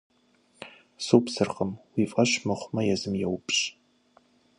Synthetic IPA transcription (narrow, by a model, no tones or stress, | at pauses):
suːpsɨrqəmwiːfʼɐɕmɨχʷmɐjɛzɨmjɛwpɕ